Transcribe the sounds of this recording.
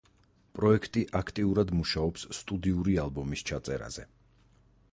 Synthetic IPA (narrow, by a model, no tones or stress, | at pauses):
pʼɾɔɛkʰt̪ʼiʔakʰt̪ʼiuɾad̪muʃaɔpsːt̪ʼud̪iuɾialˠbɔmist͡ʃʰat̪sʼɛɾa̰z̥ɛ